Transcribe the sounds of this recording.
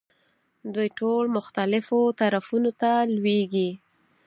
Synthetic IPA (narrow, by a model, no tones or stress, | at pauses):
d̪ujʈolmʊxt̪alɪfot̪aɾafunot̪alweɡi